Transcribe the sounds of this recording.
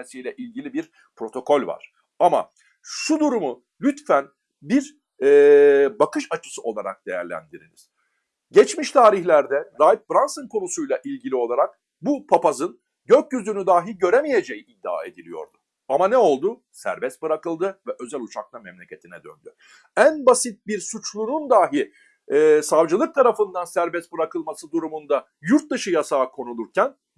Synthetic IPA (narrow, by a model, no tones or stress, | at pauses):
sijlʲɛʔilʲɟilʲibiɾ | pɾo̞t̪ʰo̞kʰo̞lʲva̰ɾ̥ | ama̰ | ʃud̪uɾumʊ | lʲyt̪fæn | biɾ | ɛbakɯʃat͡ʃʰɯ̥sɯʔo̞lˠaɾa̰k̚d̪̥e̞jæ̰ɾlʲæ̰nd̪iɾḭniz̥ | ɟɛt͡ʃmiʃt̪ʰaːɾiçlʲæɾd̪ɛɾajp̪̚bɾansɯnkʰo̞nusujlˠaʔilʲɟilʲio̞lˠaɾak̚ | bupʰapazɯn | ɟøc̚jyzynyd̪aːɦilʲɟø̞ɾemije̞d͡ʒejiʔid̪ːa̰ːe̞̰d̪ilʲijo̞̰ɾd̪ʊ | amanɛo̞lˠd̪ʊ | sæ̰ɾbɛst̪̚bɯɾakɯlˠd̪ɯvɛʔø̞zælʲut͡ʃʰak̚lˠamɛmlʲe̞cʰe̞t̪ʰinɛd̪ø̰nd̪y | ænbasit̪̚biɾsut͡ʃlˠunund̪aːɦi | ɛsavd͡ʒɯlˠɯk̚t̪ʰaɾafɯnd̪ansæɾbɛst̪̚bɯɾakʰɯlˠmasɯd̪uɾumund̪a | juɾt̪̚d̪ɯʃɯjasaːkʰo̞nulˠuɾcʰæn